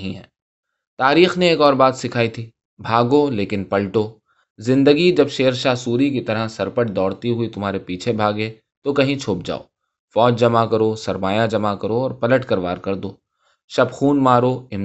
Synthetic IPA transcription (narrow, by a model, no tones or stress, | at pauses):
ɦĩɦɛ̰ː | t̪aːɾiːxneeːkɔːɾbaːt̪sɪkʰaːit̪ʰiː | bʱaːɡoleːkɪnpɐlʈoː | zɪ̃nd̪əɡid͡ʒɐbʃeːəɾʃaːsuːɾik̬it̪ɐɾasɐɾpəʈ̚d̪ɔːɽt̪iɦʊit̪ʊmɦaːɾepiːt͡ʃʰebʱaːɡe | t̪okɐɦĩt͡ʃʰʊp̚d͡ʒa̰ːo̰ː | fɔːd͡ʒd͡ʒɐmakɐɾoːsɐɾmaːjad͡ʒɐmakɐɾoɔːɾpɐləʈkɐɾʋaːɾkɐɾd̪oː | ʃɐbxuːnmaːɾoɪm